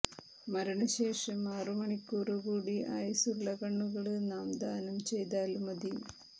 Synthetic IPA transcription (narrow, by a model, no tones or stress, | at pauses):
mɐɾɐɳɐɕe̞ːʂɐmaːrumɐɳikːuːruɣuːɽiʔa̰ːjsuɭːɐkɐɳːuɣɐɭɨnaːmd̪aːnɐmt͡ɕe̞jt̪aːlmɐd̪ijum